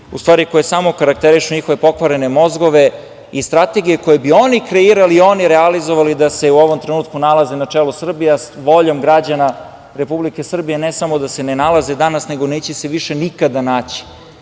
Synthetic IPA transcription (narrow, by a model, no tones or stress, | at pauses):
ṵst̪ʋaːɾiko̞jesaːmokaɾak̚t̪eɾiʃuɲixo̞ʋe̞po̞kʋaɾene̞mo̞zɡo̞ʋe̞ | ist̪ɾat̪e̞ɡijeko̞jebio̞nikɾeiːɾalio̞niɾealizoʋalid̪ase̞uo̞ʋo̞mt̪ɾenuːt̪̚kunalˠazenat͡ʂelusr̩bijasʋo̞ʎomɡɾad͡ʑana | ɾe̞publike̞sr̩bijenesamo̞d̪ase̞nenalˠazed̪anasne̞ɡo̞neːt͡ɕeseʋiʃe̞nikad̪anaːt͡ɕi̥